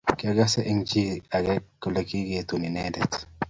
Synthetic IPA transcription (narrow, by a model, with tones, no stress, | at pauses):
kɪ˦a˦ɡa˦sɛ˦ʔiŋd͡ʒi˦a˨ɡɛ˦kːo˨le˦ki˦ɡe˨t̪u˨ni˨nɛdɛt